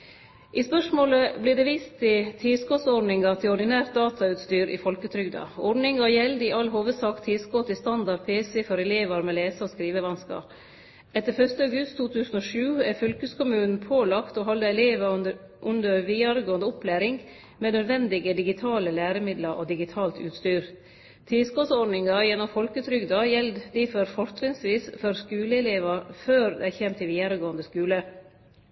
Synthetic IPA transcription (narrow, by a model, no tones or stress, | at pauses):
ʔɪspœʂmoːləblɪɖ̪ɛːʋiːst̪ʰːɪt̪ʰiskoːsɔɖnɪŋɑt̪ʰɪlɔɖ̪ɪnæːɾt̪̚d̪ɑːt̪ʰɑʉːt̪st̪yːɾʔɪ̰fɔlkət̪ʰɾʏɡd̪ɑ̰ɔɖɳɪŋɑjɛld̪ɪʔɑlɦoːʋəd̪sɑːkt̪ʰiːskoːt̪ʰɪlst̪ɑnd̪ɑpʰeːsɛfɔɾɛleːʋəɾmɛleːsəɔskɾiːʋəʋɑnskɑ̰ːp | ɛt̪ːəɾfœʂt̪əɑʉɡʉst̪ʰːuːt̪ʰʉːsn̩oːʂʉːæfœlkəskʊmʉːnn̩pʰoːlɑkt̪oɦɑlːəɛleːʋə | ʔʉnd̪əɾʋiːɑɾəɡoːənd̪əʊplæːɾɪŋɡ | meːnøːd̪ʋɛnd̪ɪɡəd̪ɪɡɪt̪ʰɑːləlæːɾəmɪd̪ləɾʔo̰ːd̪ɪɡɪt̪ʰɑːlt̪ʉ̰ːt̪st̪yːɾ | t̪ʰiːskosɔɖnɪŋɑjɛnːɔmfɔlkəʉt̪ʰɾʏɡd̪ɑjɛld̪d̪ifœɾfɔɾt̪ɾɪŋsʋiːsfɔɾskʉːləɛleːʋəføːɾd̪ɛæçɛmt̪ʰɪʋiːɑɾəɡoːənd̪əskʉːlə